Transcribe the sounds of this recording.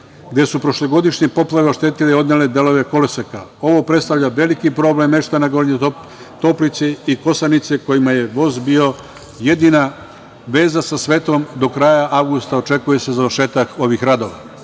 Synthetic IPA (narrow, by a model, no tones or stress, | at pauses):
ɡd̪e̞supɾo̞ʃloɡo̞d̪iʃɲepo̞plˠaʋeo̞ʃt̪e̞t̪ileo̞d̪ɲeled̪e̞lo̞ʋe̞ko̞lesekao̞ʋo̞pɾet̪st̪aʋʎaʋe̞likipɾo̞ble̞mːe̞ʃt̪anaɡoɾɲe | t̪o̞plit̪seiko̞sanit̪seko̞jimajeʋo̞zbio̞ | je̞d̪ina | ʋe̞ːzasasʋe̞ːt̪o̞md̪o̞kɾaːjaʔaʋɡust̪ao̞t͡ʃe̞kuje̞se̞zaʋɾʃe̞ːt̪ako̞ʋixɾad̪o̞ʋa̰